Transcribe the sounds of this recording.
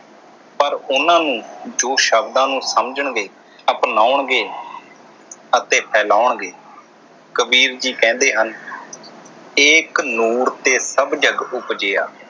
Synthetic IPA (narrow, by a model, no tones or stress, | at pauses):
pəɾʊnãːnũːd͡ʒoːʃəbd̪ãːnũːsəmd͡ʒəɳɡeː | əpnaːʊɳɡeː | ət̪eːpʰɛːlaːʊɳɡeː | kəbiːɾd͡ʒiːkɛ̃ːnd̪eːɦən | ɪːknuːɾt̪eːsəbd͡ʒəɡʊpd͡ʒeːa̰ː